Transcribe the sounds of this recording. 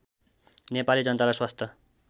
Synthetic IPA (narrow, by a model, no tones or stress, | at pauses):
nepalid͡zʌnt̪alajswast̪ʰʌ